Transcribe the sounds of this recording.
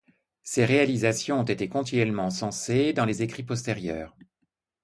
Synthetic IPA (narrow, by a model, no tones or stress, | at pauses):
seʁealizasjɔ̃ɔ̃t̪et̪ekɔ̃t̪inɥɛlmɑ̃sɑ̃sed̪ɑ̃lezekχipɔst̪eʁjœːʁ